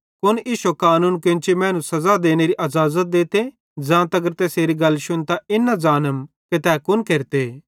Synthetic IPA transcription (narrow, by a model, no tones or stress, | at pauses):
kʊnjiːʃokaːnuːnkõːt͡ʃimɛ̃ːnũsɐzad̪eːneɾiʔɐzaːzət̪̚d̪eːt̪e | d͡zãːt̪ɐɡəɾt̪ɛːseːɾiɡɐlːʃʊnt̪aɪnːazaːnəm | ket̪ɛːkʊnkeːɾt̪e